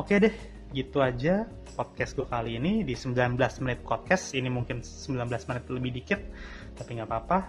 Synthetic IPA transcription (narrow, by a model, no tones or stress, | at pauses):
okedɛh | ɡit̪uad͡ʒa | pɔt̪̚kɛsɡuakaliːnidisəmbilanbəlasmənɪt̪̚kɔt̪̚kɛsinimuŋkɪnsəmbilanbəlasmənɪt̪̚ləbɪhdikɪt̪̚ː | apiŋɡapaːpa